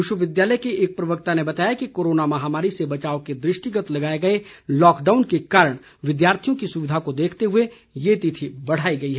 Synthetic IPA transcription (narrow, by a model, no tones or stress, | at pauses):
ɪʃəʋɪd̪jaːləjkeeːk̚pɾɐʋək̚t̪anebɐt̪aːjakikoːɾoːnamɐɦaːmaːɾisebɐt͡ʃaːoked̪ɾɪʃʈɪɡət̪lɐɡaːeɡɐelɔːkɖaːʊnkekaːɾəɽ̃ | ʋɪd̪jaːɾt̪ʰijõkisʊʋɪd̪ʱakod̪eːkʰt̪eɦʊe | jet̪ɪt̪ʰibɐɽ̤aːiɡɐiɦɛː